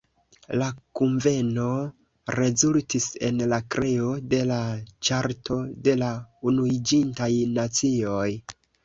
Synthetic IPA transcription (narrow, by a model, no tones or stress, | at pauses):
lakuɱve̞no̞ | ɾe̞zultise̞̰nlakɾʔe̞o̞de̞lat͡ʃaɾtʰo̞de̞launuid͡ʒintajnat͡sio̞j